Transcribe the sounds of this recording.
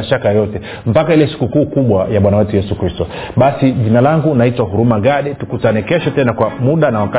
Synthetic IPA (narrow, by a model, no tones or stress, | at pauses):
aʃakajɔtɛ | m̩pakailɛsi̥kukuːkuɓwajaɓwanawɛtujɛsukɾistɔ | ɓasiʄinalaŋɡunaitwahuɾumaɠaɗɛtukutanɛkɛʃɔtɛnakwamuɗanawaka